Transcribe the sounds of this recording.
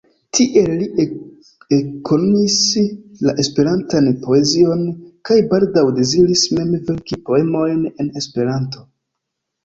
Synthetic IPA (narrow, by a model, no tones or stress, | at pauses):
tʰiʔe̞lli | ekʰo̞nomislaʔe̞spe̞ɾantanpo̞e̞zio̞nkajbaldawde̞ziɾisme̞mve̞ɾkipo̞e̞mo̞jne̞ne̞spe̞ɾanto̞